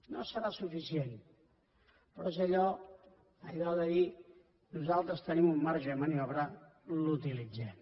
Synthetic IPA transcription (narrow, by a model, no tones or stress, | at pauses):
no̰səɾasufisien | pɾɔsaʎɔ | aʎɔðaði | nuzalˠt̪ɾəst̪enimumːaɾʒemaniɔβɾa | lut̪ilid͡ze